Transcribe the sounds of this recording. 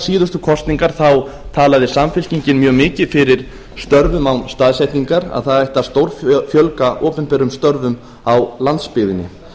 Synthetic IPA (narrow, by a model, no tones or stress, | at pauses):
siːðʏst̪ʏkʰɔst̪niŋkaɾ̥θawt̪ʰaːlaðɪsamfɪl̥ciɲcɪnmjœːɣmɪːcɪfɪɾɪɾ̥ | st̪œɾvʏmawnst̪aːðsɛjht̪niŋkaɾa̰ðθaðajht̪aðst̪owɾffjœlkaʔɔːpɛnpɛɾʏmst̪œɾvʏm | awlant̪spɪɣðɪnːɪ̰